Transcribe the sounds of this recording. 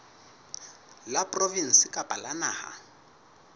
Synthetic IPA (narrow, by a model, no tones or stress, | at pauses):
lapʼrɔvin̩sɪkʼapʼalanaːha̰